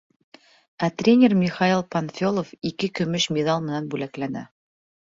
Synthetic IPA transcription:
æt̪rʲenʲermʲiχailˠpɐnfʲo̞lˠofikɘkɵ̆mɵʃmʲed̪alˠmɘ̆nænbʉlæklænæ̰

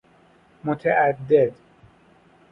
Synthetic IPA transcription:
mot̪ʰeʔæd̪ːed̪

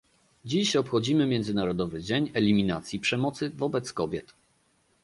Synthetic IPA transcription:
d͡ʑiɕɔpxɔd͡ʑimɘmʲjɛnd̪zɘnaɾɔd̪ɔvɘd͡ʑeɲɛlʲimʲina̰t̪sʲjipʂɛmɔt̪sɘvɔbɛt̪skɔbʲjɛt̪

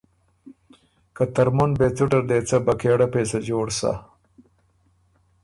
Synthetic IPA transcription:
kat̪ɐɾmunbet͡suʈɐɾd̪eːt͡sɐbɐkeːɽapeːsɐd͡ʒoːɽsa̰

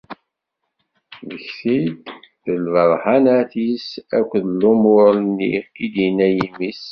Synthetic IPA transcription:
ðəçθid̪θəlvəðˤħanaθisækʷːðəlumʊɾnːḭid̪inæjimis

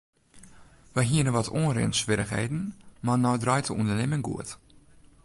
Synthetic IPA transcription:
ʋəjɦiənəʋɔtʰoːnrɪ̰ənsʋɪɾəxhḛːdn̩manɔwdrɔjtʰəʔundərnɪməŋɡṵət

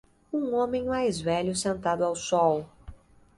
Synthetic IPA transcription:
ũõmẽj̃majzvɛʎʊsẽnt̪ad̪ʊawsɔw

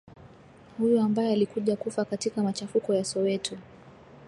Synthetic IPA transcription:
hujɔambajɛalikuʄakufakatikamat͡ʃafukɔjasɔwɛtʰu

